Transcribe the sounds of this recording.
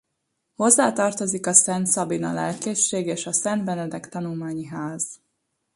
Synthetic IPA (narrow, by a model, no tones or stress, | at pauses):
ho̞zːaːt̪ɒrt̪o̞zikɒsɛnt̪sɒbinɒ̰lɛ̰lkeʃːeːɡeːʃɒsɛnd̪bɛnɛd̪ɛkt̪ɒnulmaːɲiɦaːz̥